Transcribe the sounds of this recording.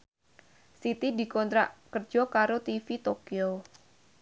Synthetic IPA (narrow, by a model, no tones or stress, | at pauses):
sit̪idi̤kɔnt̪ɾa̰ʔkərd͡ʒ̥ɔkaɾot̪ifit̪okio